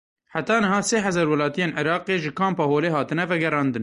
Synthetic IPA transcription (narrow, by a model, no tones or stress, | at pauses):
ħat̪ɑːnɨɦɑːseːɦɛzɑːɾwɛlɑːt̪ijeːnʕɪɾɑːqeːʒɨkʰɑːmpɑːhoːleːɦɑːt̪ɨnɛvɛɡɛɾɑːnd̪ɨn